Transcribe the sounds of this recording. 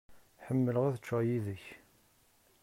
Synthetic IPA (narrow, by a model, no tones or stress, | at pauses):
ħəmːələʁæθət͡ʃːæjiðəç